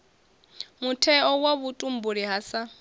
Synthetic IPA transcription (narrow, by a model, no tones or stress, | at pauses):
mutʰɛɔwaβutʼum̩buɾiɦasa